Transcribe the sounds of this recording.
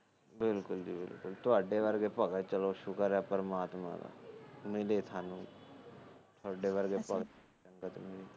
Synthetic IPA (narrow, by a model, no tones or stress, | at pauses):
bɪlkʊld͡ʒiːbɪ̰lkʊlt̪ʊaːɖeʋəɾɡepəkət̪̚t͡ʃəloʃʊkəɾapəɾmaːt̪mã̰d̪a̰ːmɪlet̪ʰaːnũː | t̪ʰʊaːɖeʋəɾɡepək̪ | ə̃ŋɡət̪mɪleː